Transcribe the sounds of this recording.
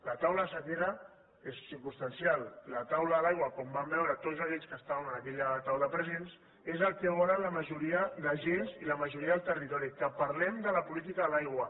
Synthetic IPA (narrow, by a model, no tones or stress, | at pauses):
lat̪awləsət̪eɾə | essiɾkunst̪ansjallət̪awləəlajɣwɐkombambɛwɾət̪otzakɛʎskəst̪aβənənəkɛʎət̪awlaəpɾəzens | ezəlˠkɛwaɾaləməʒuɾiəðəʒenziləməʒuɾiəðəlˠt̪ərit̪ɔɾikəpɐɾlɛmd̪ələpulit̪̬ikaðəlajɣwə